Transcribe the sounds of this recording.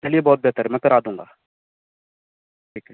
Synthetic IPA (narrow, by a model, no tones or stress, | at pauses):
eliebɔːt̪̚bɛɦt̪əɾɛmɛ̃pʰɪɾaːd̪ũːŋɡaː | ʈʰiːkɛ